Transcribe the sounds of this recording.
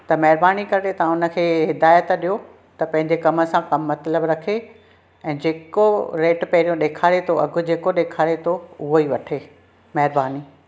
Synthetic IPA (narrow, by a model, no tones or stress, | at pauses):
t̪ɐmɐɦɪɾbaːnikɐɾɗet̪ɐãʊnə̆kʰeːɦɪd̪aːjət̪ɗijo | t̪ɐpɐ̃ɦɪ̃ɲd͡ʑekɐmə̆sãkɐmːɐt̪ləbɾɐkʰe | ɛ̃ːd͡ʑeːkoɾeːʈpɛɦɾijõɗeːkʰaːɽet̪ʰoʔɐɡʱʊ̆d͡ʑeːkoɗeːkʰaːɽet̪ʰoʊɦoiːʋɐʈʰeː | mɐɦɪɾbaːni